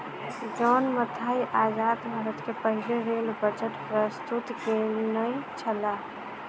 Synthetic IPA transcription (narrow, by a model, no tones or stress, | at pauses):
d͡ʒɔːnmət̪ʰaːiʔaːd͡ʒaːd̪bʱaːɾət̪kepəɦɪleɾeːlbət͡ʃəʈ̪pɾəst̪ut̪kenəĩt͡ʃʰəla